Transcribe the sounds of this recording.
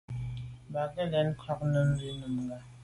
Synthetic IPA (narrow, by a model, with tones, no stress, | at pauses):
ba˨kɛ˦lɛ˨˦n˦kʰɔ˦k̚nɨ˦m̩˦bi˦nu˨mɡa˨